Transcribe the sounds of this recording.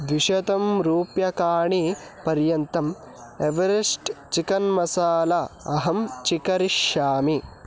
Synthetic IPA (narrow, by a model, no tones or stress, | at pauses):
d̪ʋiʃɐt̪ɐmɾuːpjɐkaːɳipɐɾjɐnt̪ɐm | eʋɐɾeʂʈt͡ʃikɐnmɐsaːlɐɐɦɐmt͡ʃikɐɾiʃːaːmi